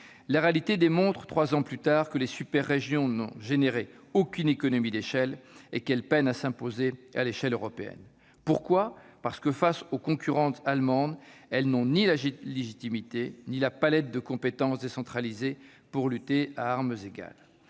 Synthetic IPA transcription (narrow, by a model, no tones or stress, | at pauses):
laʁealit̪ed̪emɔ̃t̪χə̥t̪χwazɑ̃plyt̪aʁkəlesypɛʁːeʒjɔ̃nɔ̰̃ʒeneʁe | okʲynekɔnɔmid̪eʃɛlekɛlpɛnasɛ̃pozea̰leʃɛløʁɔpeɛ̰n | puʁkwapaʁsə̥kəfasokɔ̃kʲyʁɑ̃t̪almɑ̃d̪ɛlnɔ̃nilaʒileʒit̪imit̪enilapalɛt̪̚d̪əkɔ̃pet̪ɑ̃sd̪esɑ̃t̪χalize | puʁlyt̪ea̰aʁməzeɡʲa̰l